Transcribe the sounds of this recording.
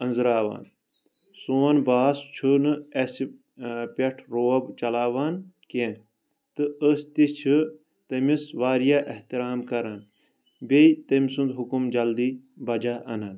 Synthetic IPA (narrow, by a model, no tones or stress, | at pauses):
ɐnzɾaːʋa̰ːn | soːɐnbaːst͡ʃʰunɨesi | pɐʈʰɾoːɐbt͡ʃɐlaːʋaːnkẽːn | t̪ɨəst̪ist͡ʃʰɨ | t̪ɐmisʋaːɾijaːʔɐht̪iɾaːmkɐɾɐn | bejt̪ɐmsund̪ɦukumd͡ʒɐld̪iː | bɐd͡ʒaːʔɐnɐn